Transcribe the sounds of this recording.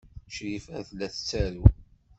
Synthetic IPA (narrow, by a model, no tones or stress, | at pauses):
ʃɾifæθlːæθt͡sːæɾu